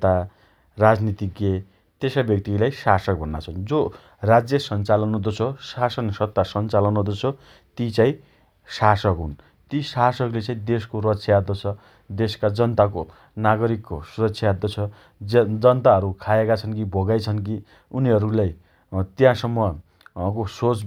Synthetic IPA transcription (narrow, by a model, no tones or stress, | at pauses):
t̪a | rad͡znit̪iɡe | t̪esabjʌk̚t̪ilajsasʌk̚bʱʌnːa̰t͡sʰʌnd͡zo | rad͡zjʌsʌnt͡salʌnod̪ot͡sʰʌsasʌnsʌt̪ːasʌnt͡salʌnod̪ʌt͡sʰʌ | t̪it͡sãĩ | sasʌkɦun | t̪isasʌklet͡sãĩd̪eskoɾʌtsʰjaad̪ʌt͡sʰʌ | d̪eskad͡zʌnt̪ak̬o | naɡʌɾikːosuɾʌksʰjaad̪ʌt͡sʰʌ | d͡zʌnt̪aɦʌɾukʰaekat͡sʰʌnkibʱʌɡajt͡sʰʌnki | uniɦʌɾulaj | t̪jãsʌmːʌ | kosot͡s